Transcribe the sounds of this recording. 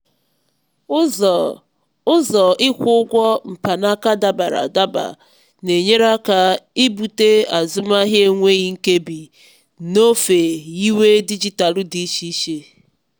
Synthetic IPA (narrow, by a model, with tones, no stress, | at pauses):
ʊ˦zɔ˨ɪ˦kʷʊ˦ʊ˦ɡʷɔ˦m̩˨pa˨na˦ka˦da˨ba˨ɾa̰˨da˦ba̰˨ | ne˨ɲe˦ɾa˦ka˨i˦bu˨te˦a˨zʊ˦ma˦ɦje˦ŋʷe˦ɣi˦ŋ̩˦ke˦bi˨ | no˦fe˨i˦we˦di˦d͡ʒi˨ta˨lʊ˦di˦ʃi˦ʃe˨